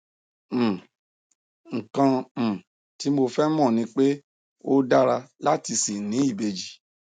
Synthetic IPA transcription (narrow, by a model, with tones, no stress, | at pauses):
ŋ̩˨kã˧m̩̃˨ | ti˨˦mo˧fɛ˦mɔ̃˦˨nĩ˧˦k͡pe˦ | o˦da˦ɾa˧la˦ti˧si˨nĩ˨˦i˦˨be˨d͡ʒi˨